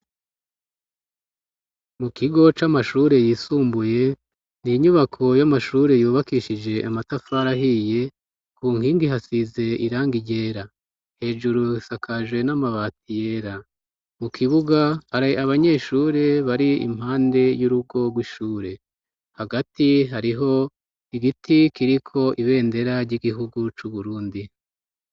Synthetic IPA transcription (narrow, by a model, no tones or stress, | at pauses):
mukiɡo̞t͡ʃamaʃuːɾe̞jiːsuːmbuje̞ | niɲuβakʰo̞jamaʃuːɾe̞juːβakiʃid͡ʒe̞ʔamatafaɾaɦije̞ | kuːŋhiːŋɡiɦasize̞iɾaːŋɡiɟe̞ɾa | he̞ːʒuɾuisakʰaʒwe̞namaβaːtije̞ːɾa | mukʰiβuɡaaɾaβaɲe̞ʃuːɾe̞βaɾiḭm̥haːnde̞juɾuɡo̞ɡwiʃuːɾe̞ | haɡatiɦaɾiɦo̞ | iɡitʰikiɾikʰo̞ʔiβe̞ːnde̞ɾaɾɟiɡiɦuɡut͡ʃuβuɾuːndi